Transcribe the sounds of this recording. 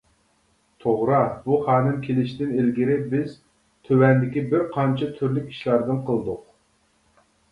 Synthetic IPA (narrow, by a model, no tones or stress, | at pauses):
t̪ʰoʁɾɑbuχɑːnɨmkʲʰelɪʃd̪ɪnelɡʲiɾɪbɪz | t̪ʰøwɛnd̪ɪkʲibɪɾqʰɑnt͡ʃʰɑt̪ʰyɾlykʲi̥ʃlˠɑɾd̪ɨnqʰəlˠd̪ʊq